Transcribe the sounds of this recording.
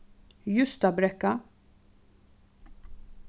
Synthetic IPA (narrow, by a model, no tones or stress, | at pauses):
jʊst̪ɐbɾɛkːɐ